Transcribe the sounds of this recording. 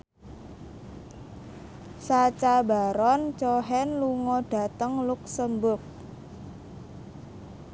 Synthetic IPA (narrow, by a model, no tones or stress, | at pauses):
sat͡ʃabaɾɔnt͡ʃɔɦɛnluŋɔɖ̥a̤t̪əŋluk̚səmbʊk̚